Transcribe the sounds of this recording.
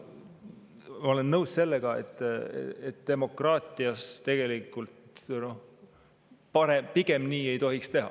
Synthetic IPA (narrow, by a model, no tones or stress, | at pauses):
mɑo̞lenːɤwsse̞lːeɡ̥ɑḛt̪ːˑet̪d̪̥e̞mo̞krɑːt̪ʲˑiɑst̪e̞ɡ̥e̞likːˑult̪no̞ | pɑɾempiɡ̥e̞mniːe̞jt̪o̞ɦikst̪e̞ɦɑ̰